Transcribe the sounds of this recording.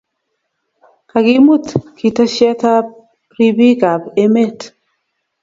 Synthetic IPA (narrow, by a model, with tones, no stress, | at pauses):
ka˨ɡɪ˦mu˦t̪ki˨ta˦ʃɛ˦ta˦ | ɾi˦bi˦ɡa˨be˦me˦˨t